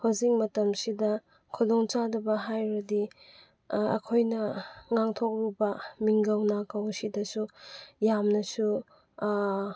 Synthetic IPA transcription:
hawzik̚mɐtɐmsidɐ | kʰudoŋt͡ʃadɐbɐɦajɾɐdi | ɐ̰kʰojnɐŋaŋtʰok̚ɾubɐmiŋɡɐwnakawsidɐsujamnɐsu

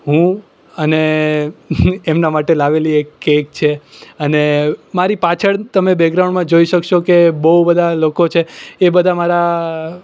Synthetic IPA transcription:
ɦũ | əne | emnamaʈelaʋeliekːek̚t͡ʃʰeənemaɾipat͡ʃʰəɭt̪əmebɛɡɾawɳmãd͡ʒoiʃəkʃokebəubəd̪ʱalokot͡ʃʰeːbəd̪ʱamaɾa

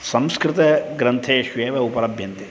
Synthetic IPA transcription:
sɐ̃mskɾɪt̪ɐɡɾɐ̃nt̪ʰeʃʋeːʋɐupɐɾɐbʱjɐnt̪e

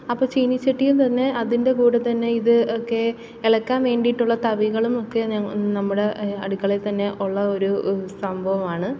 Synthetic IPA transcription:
ɐpːoːt͡ɕiːnit͡ɕːiʈːijumt̪ɐnːe̞ɐðinde̞kuːɽet̪ɐnːe̞iðɨokːe̞ː | ɭɐkːaːnʋe̞ːɳɖijiʈːuɭːɐt̪ɐʋiɣɐɭumokːe̞nɐmːuɽe̞ɐɽukːɐɭet̪ɐnːe̞ʔuɭːɐo̞ɾusɐmbʱɐʋɐmaːɳɨ

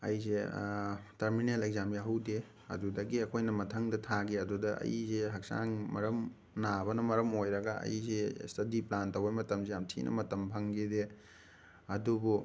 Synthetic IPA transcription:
ɐ̰jze | tɐɾmineleɡzamjaɦɐwde | ɐ̰dudɐɡiɐkʰojnɐmɐtʰɐŋdɐtʰaɡiɐdudɐɐ̰jzeɦɐk̚sa̰ŋmɐɾɐm | nabɐnɐmɐɾɐmojɾɐɡɐɐ̰jzestʰɐdiplantɐwejmɐtɐmsejamtʰḭnʔɐ̰mɐtɐmpʰɐŋɡide | ɐdubu

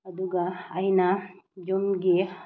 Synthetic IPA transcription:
ɐduɡaːjnad͡ʒɔnɡe

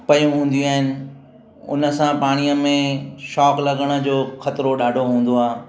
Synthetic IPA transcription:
pɐjũɦũːn̆d̪iuaːɦɪnɪ̆ | ʊ̰nə̆sãpaːɽ̃ijəmẽʃɔːklɐɠəɽ̃ə̆d͡ʑoːxɐt̪ɪɾoɗaːɖʱoɦũːn̆d̪oaː

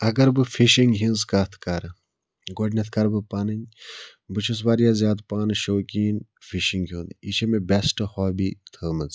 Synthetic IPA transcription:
ɐɡɐɾbɨfiʃiŋɡɦĩnzkat̪ʰkɐɾ | ɡoɖnʲɐt̪ʰkɐɾbɨpaːnɨɲ | bɨt͡ʃʰus̬ʋaːɾjaːzʲjaːd̪paːnɨʃoːkiːnfʰiʃiŋɡɦʲuːnd̪it͡ʃʰemebɛsʈɨhɔːbiːt̪ʰəːmɨz

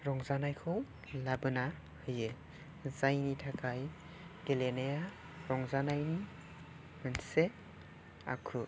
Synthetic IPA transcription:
ɾɔŋzanajkʰɔw | labɯna | hɯje | zajnitʰakʰaj | ɡ̥eleneja | ɾɔŋzanajni | mɯnse | a̰kʰu

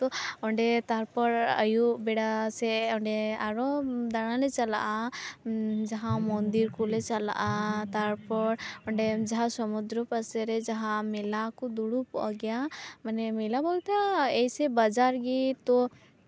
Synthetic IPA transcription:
t̪ɔɔɳɖet̪aɾpɔɾə̰jubɛɽasɛɔɳɖɛaɾɔd̪aɽ̃alɛt͡ʃəla̰ʔa | d͡ʒaɦãmɔnd̪iɾkulet͡ʃəla̰ʔat̪aɾpɔɾɔɳɖed͡ʒaɦãsɔmud̪ɾɔpəsɛɾɛd͡ʒaɦãmɛlakɔd̪uɽupɔʔɔɡɛjamənɛmilabɔlt̪aɛjsɛbəd͡ʒaɾɡit̪ɔ

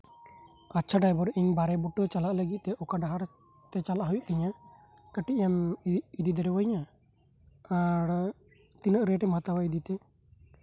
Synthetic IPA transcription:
atːt͡ʃʰaɖajbɔɾiɲbaɾɛbuʈɔt͡ʃalaʔləɡit̪̚ˀt̪ɛʔɔkaɖaɦaɾ | t̪ɛt͡ʃalaʔɦujuʔt̪ɛɲakəʈiʔjamid̪id̪ɔɾɛwɔɲa | aɾ | t̪inəʔɾɛʈɛmɦat̪awaid̪it̪ɛ

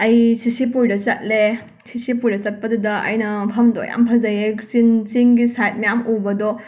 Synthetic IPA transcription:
ɐjsʰisipujdɐt͡ʃɐt̚le | sʰisipujdɐt͡ʃɐt̚pɐdudɐʔɐ̰jnɐpʰɐmdo̰ja̰mpʰɐzɐjeksint͡ʃiŋɡisajt̚mɐjamubɐdo

